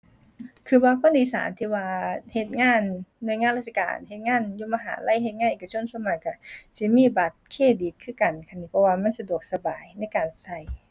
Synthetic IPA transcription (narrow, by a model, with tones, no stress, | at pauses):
kʰɯː˧waː˧kʰɔː˧˥˨nd̪iː˨˦sa̰ː˨˦nt̪ʰiː˧waː˧he˧t̪̚ŋaː˧˥˨nːu˧˨jŋaː˧˥˨la˧˥t̪̚t͡ɕʰa˧ka̰ː˨˩nhe˧t̪̚ŋaː˧˥˨njuː˧˨maː˧ɦa̰ː˨˦la̰˧˥˨jɦe˧t̪̚ŋaː˧˥˨ʔeː˨˩ka˧t͡ɕʰo˧˥˨nsa˧˥˨ma˧˩ka˧˩si˧˦miː˧˥˨ba˨˩t̪̚kʰeː˧˥˨di˨˦k̚kʰɯː˧˥˨ka˨˩nkʰa˧˩˨niː˧˩pʰɔ˧waː˧ma˧˥˨nsa˧du˨˩ək̚sa˧baː˨˩jna˧˥˨jkaː˨nsa˧˩j